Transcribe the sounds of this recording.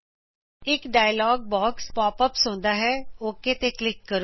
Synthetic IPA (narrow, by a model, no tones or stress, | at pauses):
ɪkɖaːjəlɔːɡ̚bɔːkspɔːpəpsõːnd̪aːɦɛːoːkːet̪eklɪkːəɾoː